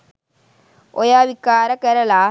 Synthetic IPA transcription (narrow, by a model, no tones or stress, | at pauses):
ɔjaːʋikːaːɾɐkɛɾɐlaː